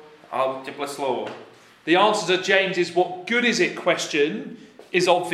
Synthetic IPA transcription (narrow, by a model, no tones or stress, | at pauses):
a̰ɪlˠdɪpləslɔː | ðiɑ̃ˑnsəzəd͡ʒẽɪ̃mzɪzwɒʔ̚ɡ̥ʊɾɪzɪʔkʰw̥ɛst͡ʃə̃nɪzɒbv